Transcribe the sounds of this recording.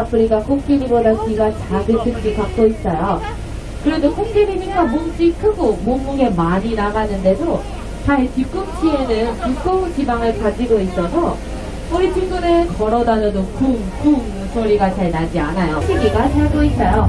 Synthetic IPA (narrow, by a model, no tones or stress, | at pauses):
pʰɯɾiɡakoŋk͈ʰiniɡʌdaiɡat͡ɕaɡɯtɯnd͡ʑikak̚k͈ois͈ʌjo | kɯɾedokʰoŋteniɲik͈amomt͡ɕ͈ʰikʰɯɡomomːuɡe̞maɲinaɡanɯnde̞do | t͡ɕaɭt͡ɕik͈ɯmɕʰie̞nɯnpukʰot͡ɕibaŋɯɭkad͡ʑiɡois͈ʌsʰʌ | oɾit͡ɕiŋɡunekʌɾʌdamʌdokumkuŋ | sʰoɾiɡat͡ɕaɭnad͡ʑianajokʰimiɡat͡ɕaɭɡois͈ʌjo